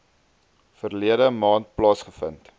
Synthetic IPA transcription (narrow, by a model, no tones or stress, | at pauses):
fərliədəmɑːnt̚plɑːsχəfə̰nt